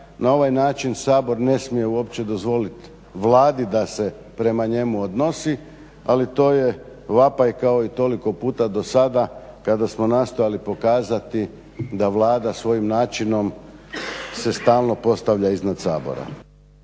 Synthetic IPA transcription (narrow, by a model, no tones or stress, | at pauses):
nao̞ʋajnaːt͡ʃinsaːbo̞ɾne̞smije̞uo̞pt͡ɕed̪o̞zʋo̞lit̪ | ʋlaːd̪id̪ase̞ | pɾe̞maɲe̞muod̪no̞si | alit̪o̞ːjeʋapaikao̞it̪o̞liko̞puːt̪ad̪o̞sad̪akad̪asmo̞nast̪o̞jalipo̞kaːzat̪i | d̪aʋlˠaːd̪asʋo̞jimnaːt͡ʃino̞m | se̞st̪aːlˠno̞po̞st̪aʋʎaiznad̪saːbo̰ɾa̰